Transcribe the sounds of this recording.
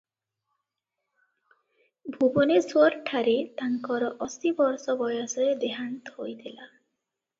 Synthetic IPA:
bʱubɔnesuɔɾʈʰaɾet̪aŋkɔɾɔʔɔsibɔɾsɔbɔjɔsɔed̪eɦant̪ɔhojt̪ʰila

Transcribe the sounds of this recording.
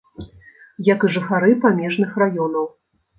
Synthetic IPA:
jɐkɨʐɨxaɾɨpamʲɛʐnɨxrajɔnɐw

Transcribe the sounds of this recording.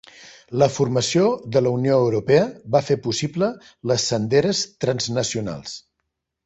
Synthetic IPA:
ləfurməsioðələunioəwɾupɛəβafepusiblə | ləsːənd̪eɾəst̪ɾənznəsiuna̰lˠs

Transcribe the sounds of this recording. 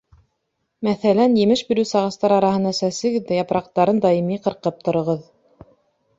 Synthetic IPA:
mæθælænjɘ̆mɘʃbiɾɘwsɑʁɑ̆st̪ɑɾɑɾɑɦɤ̆nɑsæsɘ̆ɡɘ̆ðæjɑpɾɑq̚t̪ɑɾɤnd̪ɑimiqɤ̆ɾqɤp̚t̪ŏɾŏʁɤð

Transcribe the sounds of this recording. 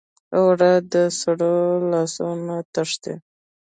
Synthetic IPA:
awɽad̪əsaɽolɑsonat̪aʂt̪e

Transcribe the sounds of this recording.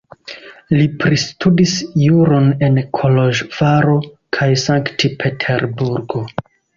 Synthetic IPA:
lipɾistudisjuɾo̞ne̞nkʰo̞lo̞ʒv̥aɾo̞ | kʰajsaŋktipʰe̞tʰe̞ɾbuɾɡo̞

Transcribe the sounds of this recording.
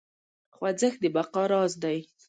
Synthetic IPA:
xwad͡zəxd̪əbaqɑɾɑzd̪aj

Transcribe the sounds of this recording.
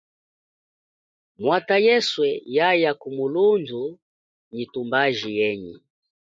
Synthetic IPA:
mwatajɛswɛjajakumulundu | ɲitumbaʒijɛɲi

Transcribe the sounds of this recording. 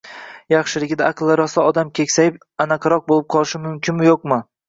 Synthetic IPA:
jɑχʃɪlɪɡʲɪd̪aːqɨlˠːaɾɒsaɒd̪amkʲʰe̞kʲsajɪp | anaqʰɑɾɒq̚bolɪp̚qʰɒlˠɪʃɪmʊmkʲʰɪnmɪjoqmɪ

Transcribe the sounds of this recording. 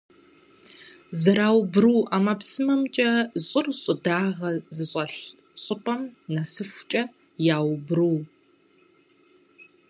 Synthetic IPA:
zɐɾaːwbruwʔaːmɐpsɨmɐmt͡ʃʼɐɕʼʊrɕʼʊdaːʁɐzɨɕʼɐɬ | ɕʼʊpʼɐmnɐsɨfʷt͡ʃʼɐ | jaːwbruw

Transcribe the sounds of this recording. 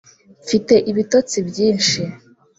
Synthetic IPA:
fite̞ʔiβitot͡sibjiːnʃi

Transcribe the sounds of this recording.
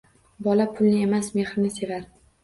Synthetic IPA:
bɒlapʰʊlnɪe̞masme̞χɾɪnɪse̞vaɾ

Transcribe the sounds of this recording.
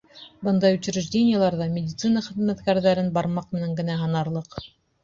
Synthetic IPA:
bɤnd̪ɑjʉt͡ɕɘ̆ɾɘ̆ʒdʲenʲɪjəlˠɑɾðɑmʲɪdʲit̪sɨnɑχɘ̆ðmæt̪kæɾðæɾɘnbɑɾmɑqmɘ̆næŋɡɘ̆næɦɑnɑɾlˠɤq

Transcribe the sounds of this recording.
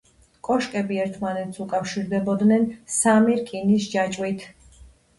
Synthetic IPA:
kʼɔʃkʼɛbiɛɾt̪ʰmanɛt̪sukʼafʃiɾd̪ɛbɔd̪nɛnsamiɾkʼinisd͡ʒat͡ʃʼwit̪ʰ

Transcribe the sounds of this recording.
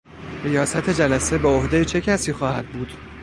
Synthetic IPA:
rijɒːsæt̪ʰe̞d͡ʒælæse̞beohd̪e̞jet͡ʃʰe̞cʰæsiːxɒːhæd̪̚buːd̪̥

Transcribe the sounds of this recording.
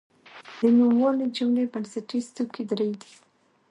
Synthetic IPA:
d̪̥ənumwolid͡ʒumɽebansaʈist̪ukid̪ɾəjd̪i̥

